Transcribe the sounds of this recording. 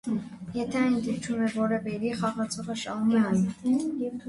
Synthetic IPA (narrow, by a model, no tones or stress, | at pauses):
jɛt̪ʰɛɑjnd̪ipt͡ʃʰumɛvɔɾɛvɛɾiχɑʁɑt͡sʰɔʁəʃɑniɑn